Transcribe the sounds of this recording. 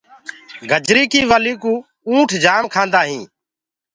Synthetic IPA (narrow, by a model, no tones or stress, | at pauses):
ɡʱəd͡ʒɾiːkiːʋəliːkũː | ũːʈʰd͡ʒaːmkʰãːnd̪aːɦĩː